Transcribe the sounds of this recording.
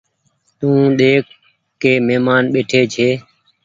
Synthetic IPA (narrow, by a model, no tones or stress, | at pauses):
t̪ũːɗ̪eːkː | eːmeːmaːnɓeːʈʰeːt͡ʃʰeː